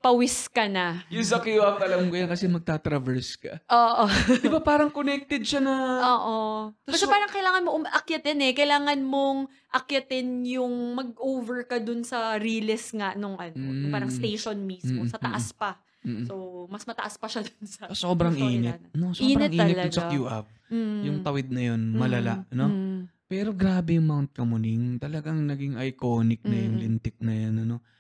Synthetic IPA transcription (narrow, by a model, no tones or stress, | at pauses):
pɐwɪskɐnɐjʊŋs̬ɐkoɐkɐlɐmkojankɐsɛmɐɡ̚t̪aːt̪ɾɐvɛɹskɐ̰ʔoːʔod̪ɪbapaːɾɐŋkonɛk̚t̪ɛd̪̚ʃanɐoːʔoɐsɐpaːɾɐŋkɐjlaːŋɐnmoʔʊmʔɐkjɐt̪ɛnɛkɐjlaːŋɐnmo̞ŋ | ʔɐkjɐt̪ɪnjʊŋmɐɡ̚ʔoːvɛɹkɐd̪ʊnsɐɾiːlɛsŋaʔnoŋʔɐnoaːɾɐŋst̪ejʃonmismosɐt̪ɐʔaspɐ | somɐsmɐt̪ɐʔɐspɐʃad̪onsɐsoːbɾɐŋʔiːnɛt̪ɐnosinnɛɐŋʔiːɛɐsɐkjuːʔav̩ | jʊŋt̪ɐwɪd̪̚nɐjo̞nmɐlɐlaʔno̞pɛːɾo̞ɡɾaːbɛjʊŋmawnt̪̚kɐmʊniŋt̪ɐlɐɡaŋnɐɡiŋʔɐjkoːnɪk̚nɐjʊŋlɪnt̪ɪk̚nɐjonɐno̞